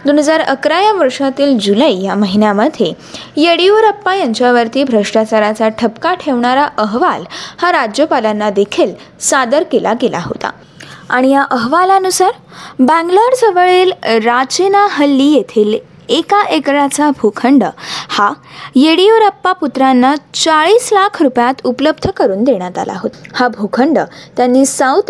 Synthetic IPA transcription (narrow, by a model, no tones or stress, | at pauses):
d̪onɦəd͡zaɾəkɾajaʋəɾʂat̪iːld͡ʑuləijaməɦinjaməd̪ʱje | jeɽioɾəpːajãɲt͡ɕaʋəɾt̪iːbʱɾəʂʈat͡ɕaɾat͡saʈʰəpkaʈʰeʋɳaɾaʔəɦʋalhaɾad͡ʑjəpalanːad̪ekʰiːl | sad̪əɾkelaɡela̰ɦo̰t̪a̰ | aɽ̃ijaʔəɦʋalanusaɾ | bæ̃ŋɡləɾsəʋəɭeːlɾat͡ɕenaɦəlːiːjet̪ʰiːl | ekaʔekɾat͡sabʱukʰəɳɖəhajeɽioɾəpːaput̪ɾanːat͡saɭiːslakʰɾupjat̪upləbd̪ʱəkəɾuːnd̪eɽ̃jat̪a̰lʔa̰ɦot̪habʱukʰəɳɖət̪janːiːsawt̪